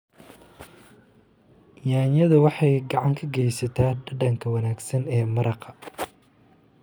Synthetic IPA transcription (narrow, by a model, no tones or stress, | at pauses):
jaːnjɐðɐwɑħɑjɡɑʕɑŋkʰɐɡɛjsɐt̪ʰaːɖɐɖɐŋkʰɐwɐnaːɡsɐnɛːmɐɾɑqʰɐ